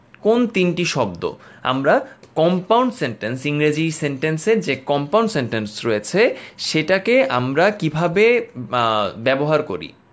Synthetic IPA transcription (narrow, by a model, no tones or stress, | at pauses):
kont̪inʈiʃɔb̚d̪o̰a̰mɾakɔmpawɳɖseɳʈensiŋɾad͡ʑiɾseɳʈenseɾd͡ʑekɔmpawɳɖseɳʈensɾojet͡ɕʰeʃeʈakeʔamɾakibʱabe | bɛboɦaɾko̰ɾḭ